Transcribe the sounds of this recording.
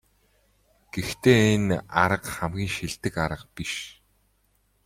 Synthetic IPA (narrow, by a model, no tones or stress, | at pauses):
ɡ̥ext̪eːena̰ɾə̆qχæmɡʲiːŋʃiɮt̪ɘ̆kaɾə̆qpiʃ